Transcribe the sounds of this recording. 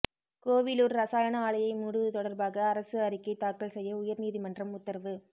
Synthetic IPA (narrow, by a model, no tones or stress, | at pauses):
koːʋɪluːɾɾɐsaːjɐnɐaːɭɐjɐɪmuːɽɯɯt̪ɔɽɐɾbaːɣɐːɾɐsɯɐɾɪkːɐɪt̪ːaːkːɐɭsɛjːɐʊjɐɾniːðimɐndrɐmʊt̪ːɐɾʋɯ